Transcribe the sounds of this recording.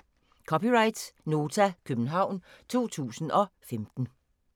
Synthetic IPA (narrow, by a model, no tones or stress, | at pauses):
kʰɒpiʁɑ̈ɪd̥no̝ːt͡sʰækʰøb̥n̩ɦɑ̈ʊ̰n | t͡sʰo̝̰ːt͡sʰṵːsn̩ɒ̽femd̥n̩